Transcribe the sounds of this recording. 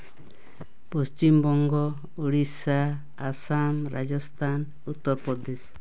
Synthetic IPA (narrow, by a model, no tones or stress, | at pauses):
pust͡ʃimbɔŋɡɔ | uɽisaː | samɾad͡ʒɔst̪ʰan | ut̪ːɔɾpɔd̪es